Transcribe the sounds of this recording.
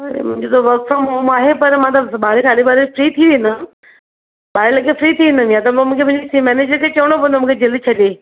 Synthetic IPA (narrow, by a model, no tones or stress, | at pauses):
ɐɾḛmʊ̃ɦɪ̃ɲd͡ʑot̪oʋɐɾfɾomɦoːmaːɦepɐɾmãːt̪ɐɓaːɾekʰaːɽebaːɾefɾiːt̪ʰiʋẽːnd̪ən | ɓaːɾelɐɡefɾit̪ʰiʋẽnd̪ənjat̪ɐmũːkʰemʊ̃ɦɪ̃d͡ʑfimɛːneːd͡ʑəɾkʰet͡ɕɐʋəɽ̃okɐ̃nd̪omũːkʰed͡ʑɪlt͡ɕʰɐɗeː